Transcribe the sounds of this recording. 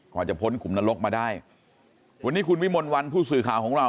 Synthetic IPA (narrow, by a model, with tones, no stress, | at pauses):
kʰɔː˨˩t͡ɕa˨˩pʰo˦˥nkʰu˨˩˦mnaː˧lo˦˥k̚maː˧daː˥˩j | wa˧nːiː˦˥˩kʰu˧nwi˦˥˩mo˧nwa˧npʰuː˥˩sɯː˨˩kʰaː˨˩wkʰɔː˨˦ŋɾa˧